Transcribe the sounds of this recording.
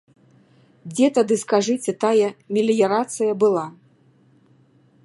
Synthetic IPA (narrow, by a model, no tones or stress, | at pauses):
d͡zʲɛt̪ad̪ɨskaʐɨt͡sʲɛt̪ajɛmʲilʲjɛɾat̪sɨjɐbɨlˠa